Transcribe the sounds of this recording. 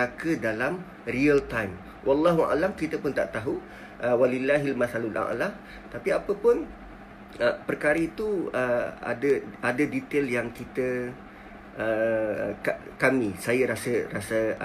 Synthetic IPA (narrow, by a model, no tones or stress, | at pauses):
akədalam | riəlt̪ajm | wʔɑlːɑɦua̰lamkit̪əpʊnt̪a̰ʔt̪aɦu | ʔəwalilːaɦilmaθalulʔa̰ʔlah | t̪apiapəpʊn | əpərkaɾəit̪uəa̰dəadədit̪eljaŋkit̪ə | ʔə | kakamĩsajəɾasərasə